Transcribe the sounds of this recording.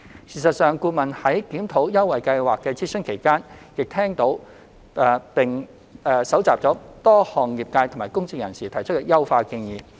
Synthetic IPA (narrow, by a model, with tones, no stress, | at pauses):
siː˨˩sɐ˨t̚sœː˨ŋkuː˧mɐ˨nhɐ˨˥jkiː˨˥mt̪ʰo˨˥wjɐ˥wːɐ˨jkɐ˧jwaː˨kːɛː˧t͡sʰiː˥sɵ˥nkʰe˨˩jkaː˥njɪ˨k̚t̪ʰɛː˥ŋt̪o˨˥w | pɪ˨ŋ | ɛː˧˩sɐ˨˥wt͡saː˨p̚t͡sɔː˨˥t̪ɔː˥hɔː˨˩ŋjiː˨p̚kaː˧jt̪ʰo˨˩maː˨˩jkʊ˥ŋt͡sɪ˧ŋ̚jɐ˨˩nsiː˨t̪ʰɐ˨˩jt͡ʃʰɵ˥kɛ˧˥jɐ˥wfaː˧kɪ˧ŋjiː˨